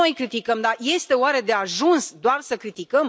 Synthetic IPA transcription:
ojkɾit̪ikəmd̪aje̞st̪e̞oaɾe̞d̪e̞aʒunsd̪oarsəkɾit̪ikəm

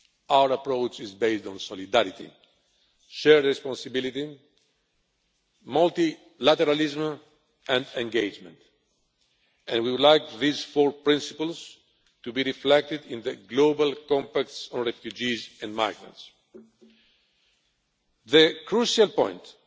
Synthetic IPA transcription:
awəɾapɹowt͡ʃizbeɪstɔ̃nsɔlid̪aɾit̪ḭ | ʃɛɹɹɛspɔ̃nsɨbilit̪i | mʌlt̪i | lat̪ɛɾalizm | ʔɛ̃nd̪ɛ̃ŋɡed͡ʒmɛ̰̃nt̪ | ɛ̃nwiwd̪lajkðizfɔɹpɹĩnsi̥pəls | t̪ubiɹiflɛk̚t̪ɨd̪ĩnðəɡlobalkɔ̃mpak̚tsɔ̃nɹɛfjud͡ʒizɛ̃nma̰jɡɹã̰nts | ðəkʰɹuʃalpɔ̃j̃nt̪

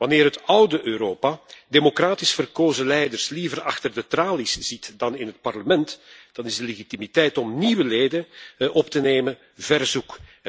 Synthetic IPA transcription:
ʋɑnɪːrɦətʌwdəʔøːɾoːpademokraːtɪsfərkoːzəlɛjdərslivərɑxtərdətraːlisz̥itdɑnɪnɦət̚pɑrləmɛntd̥ɑnɪzdəleɣitimitɛjtɔmniʋəleːdənʔɔptəneːmən | vɛrzuk

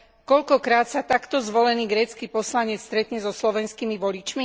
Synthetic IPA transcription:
kɔʎkɔkɾaːt̪sat̪akt̪ɔzʋɔlɛniːɡɾɛːt͡skiːpɔslaɲɛt͡sst̪ɾɛt̪ɲɛzɔslɔʋɛnskimiʋɔʎit͡ʃmi

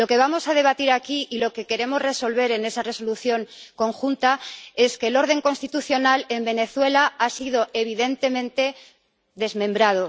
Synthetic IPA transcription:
lo̞ke̞β̞amo̞saðe̞βat̪iɾakiʔilo̞ke̞ke̞ɾe̞mo̞zre̞so̞lβ̞e̞ɾe̞ne̞sare̞so̞luθjo̞ŋko̞ŋxunt̪ae̞ske̞ːlo̞ɾð̞e̞ŋko̞nst̪it̪uθjo̞nale̞mbe̞ne̞θwe̞laasiðo̞ʔe̞β̞iðe̞nt̪e̞mẽ̞nt̪e̞ | ðe̞zmẽ̞mbɾað̞o̞

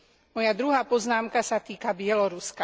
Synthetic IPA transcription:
mɔjad̪ɾuɦaːpɔznaːmkasat̪iːkabɪɛlɔɾuska

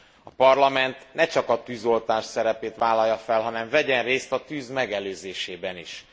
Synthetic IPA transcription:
ɒpɒrlɒmɛnt̪nɛt͡ʃɒkɒt̪yːzo̞lt̪aːʃsɛɾɛpeːt̪ʋaːlɒjːɒfɛlɦɒnɛɱvɛɟɛreːst̪ɒt̪yːzmɛɡɛløːzeːʃeːbɛnḭʃ

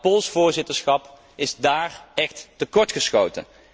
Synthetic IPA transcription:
polˠsfʊːɹzɪtəɹsχɑp | ɪzdaːrɛxtːəkɔɹtχəsχowtə̰n

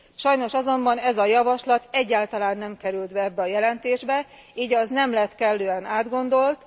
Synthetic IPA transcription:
ʃɒjno̞ʃɒzo̞mbɒnɛzɒjɒvɒʃlɒt̪ɛɟːaːlt̪ɒlaːnːɛmkɛɾyld̪bɛɛbːɛɒjɛlɛnt̪eːʒbɛ | iːɟɒznɛmlɛt̪kɛlːøːɛnaːd̪ɡo̞nd̪o̞lt̪

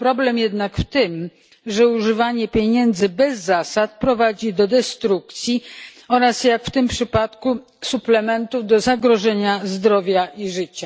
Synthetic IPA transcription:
pɾɔblɛmjɛd̪nakft̪ɘm | ʐɛuʐɘvaɲɛpʲjeɲɛnd̪zɘbɛzːasat̪̚pɾɔvad͡ʑid̪ɔd̪ɛst̪ɾuk̚t̪sʲji | ɔɾasjakft̪ɘmpʂɘpat̪ku | suplɛmɛnt̪uvd̪ɔzaɡɾɔʐɛɲazd̪ɾɔvʲjaʔiʐɘt͡ɕa

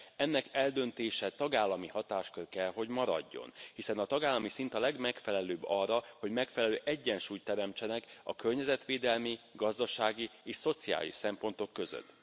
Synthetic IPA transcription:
ɛnːɛkɛld̪ø̞nt̪eːʃɛt̪ɒɡaːlːɒmihɒt̪aːʃkørkɛlɦo̞ɟmɒɾɒ̰ɟːo̞̰nhisɛnɒt̪ɒɡaːlːɒmisint̪ɒlɛɡmɛkfɛlɛløːbɒrːɒhoɟmɛkfɛlɛløːʔɛɟːɛnʃuːjt̪ːɛɾɛmt͡ʃɛnɛkɒ̰kø̞rɲɛzɛt̪ʋeːd̪ɛlmiɡɒzd̪ɒʃaːɡieːʃso̞t̪sia̰ːlḭʃsɛmpo̞nt̪o̞kːø̞zø̰t̪ː

